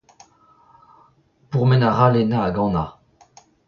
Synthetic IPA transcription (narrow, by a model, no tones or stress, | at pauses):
puʁmɛnaʁalɛnaːɡɑ̃na̰